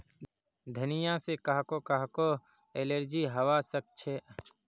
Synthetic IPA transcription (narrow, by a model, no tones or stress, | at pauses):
d̪ʱənɪjãsekaɦkokaɦko | eleɾd͡ʒiɦəwasək̚t͡ʃʰe